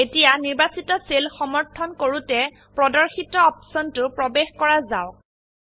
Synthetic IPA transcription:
etijaniɹbasitɔselxɔmɔɹtʰɔnkoɹutɛ | pɹɔdɔɹxitɔɔpsɔntʊpɹɔbexkɔɹaza̰ʊk

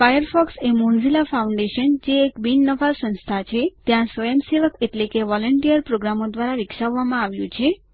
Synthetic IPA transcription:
fajəɾfɔksemunzilafauɳɖeʃənd͡ʒeːkbinːəfasə̃ñst̪ʰat͡ʃʰet̪jãsʋəjəmseʋəkeʈlekeʋɔləɳʈijəɾpɾoɡɾamod̪ʋaɾaɾikʃaʋːamãaʋjũt͡ʃʰe

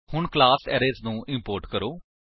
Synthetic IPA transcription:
hʊɳklaːsɛːɾeːznũːʔɪmpoːɾʈkəɾoː

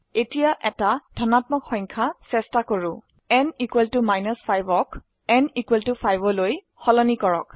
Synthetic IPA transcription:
etijaʔɛtadʱɔnatmɔkxɔjŋkʰasɛstakoɹu | ɛnikwɛltumajnɔspʰajbɔk | ɛnikwɛltupʰajbɔloj | xɔlɔnikɔɹɔ̰k

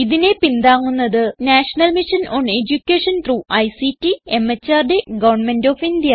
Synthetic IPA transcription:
iðine̞pind̪aːŋːunːɐðɨnaːʂɐnɐlmiʂɐnoːɳe̞d͡ʑukʲːeːʂɐnt̪ɾuːʔɐjsitːie̞mːet͡ɕːaːrɖeɡɐʋɐrɳme̞ndoːfind̪ijɐ

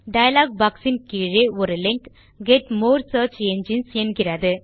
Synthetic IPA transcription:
ɖɐjɐlaːɡ̚baːksɪnkiːɻeɔɾɯlɪŋk | ɡɛʈmoːɾsəːɾt͡ʃeɲd͡ʒɪnsɛnɡɪrɐðɯ

